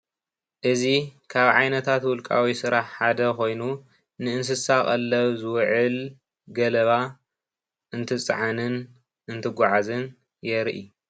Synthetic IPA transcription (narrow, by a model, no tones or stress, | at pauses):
ʔɨzikʰaβʕajnɐt̪ʰat̪wʊlkʼa̰wisɨɾʔaħħad̪ɐko̞jnu | nɨɨns̬ɨsakʼɐlːɐβzɨwʕɨl | ɡɐlɐβa | ʔɨnt̪ʰɨt͡sʼʕanɨn | ʔɨnt̪ʰɨɡʷaʕazɨn | jɛɾʔḭ